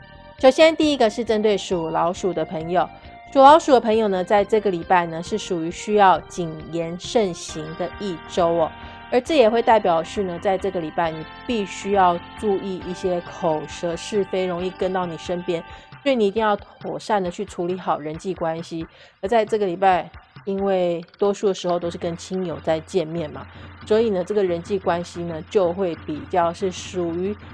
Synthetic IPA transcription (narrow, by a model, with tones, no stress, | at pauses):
ʂo˨˩ʊɕjɛ˥nt̪i˥˩i˦˥ɡə˨ʂɻ̩˥˩ʈ͡ʂə˥nt̪we˥˩ɪʂu˨˩lɑ˧˥ʊʂu˨˩d̪ə˦pʰə˧˥ŋjo˨˩˦ʊ | ʂu˨˩lɑ˧˥ʊʂu˨˩d̪ə˦pʰɤ˧˥ŋjo˨˩ʊnə˩t͡sa˥˧ɪʈ͡ʂɤ˥˩ɡə˩li˨˩pa˥˩ɪnə˩ʂɻ̩˥˩ʂu˨˩y˧˥ɕy˥jɑ˥˩ʊt͡ɕi˨˩ŋjɛ˧˥nʂə˥˩nɕi˧˥ŋd̪ə˧i˥˩ʈ͡ʂo˥ʊɐ˨˩ | ə˞˧˥ʈ͡ʂɤ˥˩jɛ˨˩xwe˥˧ɪt̪a˥˩ɪpjɑ˨˩ʊʂɻ̩˥˩nə˩t͡sa˥˧ɪʈ͡ʂɤ˥˩ɡə˩li˨˩pa˥˩ɪni˨˩pi˥˩ɕy˥jɑ˥˧ʊʈ͡ʂu˥˧i˥˧ʔi˥˩ɕjɛ˥kʰo˨˩ʊʂɤ˧˥ʂɻ̩˥˩fe˧˥ɪɻʊ˧˥ŋi˥˩kə˥nt̪ɑ˥˩ʊni˨˩ʂə˥npjɛ˥nswɔ˧˥i˨˩ni˨˩˨i˥˧ŋjɑ˥˩ʊt̪ʰɔ˨˩ʂa˥˩nd̪ə˩t͡ɕʰy˥˩ʈ͡ʂʰu˧˥li˧˥xɑ˨˩ʊɻə˧˦˥nt͡ɕi˥˩kwa˥nɕi˦ | ə˧˥t͡sa˥˧ɪʈ͡ʂɤ˥˩ɡə˩li˨˩pa˥˩ɪi˥nwe˥˩ɪt̪wɔ˥ʂu˥˩d̪ə˩ʂɻ̩˧˥xo˧ʊt̪o˥ʊʂɻ̩˥˩kə˥nt͡ɕʰi˥ŋjo˨˩ʊt͡sa˥˧ɪt͡ɕjɛ˥˧nmjɛ˥˩nmɐ̰˩swɔ˧˥i˨˩nə˩ʈ͡ʂɤ˥˩ɡə˩ɻə˧˥nt͡ɕi˥˩kwa˥nɕi˧nə˨t͡ɕjo˥˧ʊxwe˥˩ɪpi˨˩t͡ɕjɑ˥˧ʊʂɻ̩˥˩ʂu˨˩y˧˥